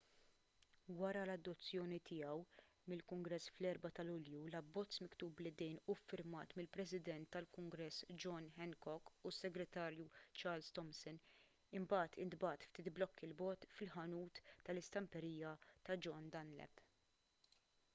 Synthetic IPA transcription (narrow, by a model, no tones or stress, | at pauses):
wɐɾɐlɐd̪ːɔt͡sːjɔːnit̪ɪjɐw | mɪlkʊŋɡɾɛsːflɛɾbɐt̪ɐlʊljulɐbːɔt͡sːmɪkt̪uːblɪd̪ɛjnufːɪɾmɐːt̪mɪlpɾɛsɪd̪ɛnt̪ːɐlkʊŋɡɾɛsːd͡ʒɔnħɛnkɔkːusːɛɡɾɛt̪ɐːɾjut͡ʃɐːɾlst̪ɔmsɔn | ɪmbɐːt̪ʰɪnd̪bɐːt̪ft̪iːt̪blɔkːɪlbɔːt̪fɪlħɐnuːt̪ːɐlɪst̪ɐmpɛɾiːjɐt̪ɐd͡ʒɔnd̪ɐnlɛ̰p